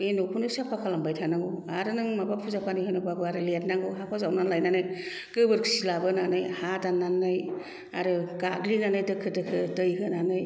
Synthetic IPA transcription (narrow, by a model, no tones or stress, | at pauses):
enokʰunɯsapʰakʰalambajtʰanaŋɡoaɾɯnɯŋmabapʰuzapʰanɯjɦɯnobabɯaɾɯlet̚naŋɡuɦapʰazawnanlajnanɯj | kɯbɯɾkʰsilabɯnanɯjhadanːanːɯj | a̰ɾɯkaɡlinanɯjdɯkʰɯdɯkʰɯtɯjɦɯnanɯj